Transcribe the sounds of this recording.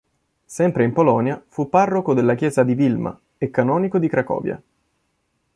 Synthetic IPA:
sɛmpɾeimpolɔnjafupːarːokod̪elːakjɛːzad̪ivilma̰ | ekːanɔːnikod̪ikɾakɔ̰ːvja̰

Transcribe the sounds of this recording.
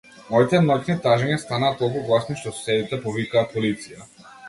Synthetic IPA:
mɔit̪ɛnɔcnit̪aʒɛɲast̪anaːt̪̚ɔlˠkuɡlˠasniʃt̪ɔsu̥sɛd̪it̪ɛpɔvikaːpolit̪sija

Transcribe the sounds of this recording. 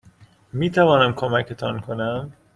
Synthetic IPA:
miːt̪ʰævɒːnæmkʰomæcʰe̞t̪ʰɒnkʰonæm

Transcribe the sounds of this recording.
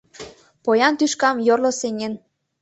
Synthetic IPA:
pojɑnt̪yʃkɑmjorloseŋʲen

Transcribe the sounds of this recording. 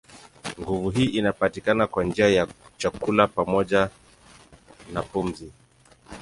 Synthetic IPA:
ŋɡuvuɦiːʔinapatikanakwand͡ʒiajat͡ʃakulapamɔʄa | napum̩zi

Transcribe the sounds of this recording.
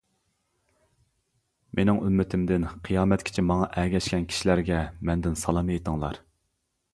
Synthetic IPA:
mʔenɪŋy̰mːɪt̪ʰɪmd̪ɪnqʰijɑːmɛt̪̚kʲʰi̥t͡ʃʰɪmɑŋɑʔɛɡʲɛʃkʲɛnkʲʰi̥ʃilæɾɡʲɛmɛnd̪ɪnsɑlˠɑmejt̪ʰəŋlˠɑ̰ɾ

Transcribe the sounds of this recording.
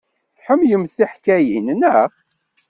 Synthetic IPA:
θħəmjəmːθθiħkæjinnəχ

